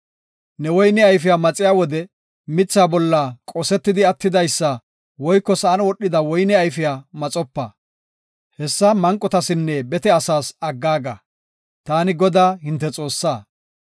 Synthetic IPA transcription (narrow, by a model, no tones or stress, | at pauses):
nɛwɔjnɛɐjfɪjamɐt͡sʼɪjaːwɔd̪ɛ | mɪt͡sːaːbɔlːakʼɔsɛt̪ːɪd̪ɪɐt̪ːɪd̪ɐjsːɐ | wɔjkːɔsɐʔɐnwɔɗːɪd̪ɐwɔjnɛɐjfɪjaːmɐt͡sʼɔpːɐ | hɛsːɐmɐŋkʼːɔt̪ɐsɪnːɛbɛt̪ɛɐsaːsɐɡːaːɡa̰ | t̪aːnɪɡɔd̪aːɦɪnt̪ːɛt͡sʼo̞ːsːaː